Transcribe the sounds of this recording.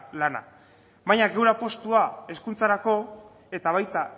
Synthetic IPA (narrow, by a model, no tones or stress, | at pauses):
lana̰ | βajɲaɡe̞wɾapo̞st̪uae̞skunt͡saɾako̞ | e̞t̪aβ̞ajt̪a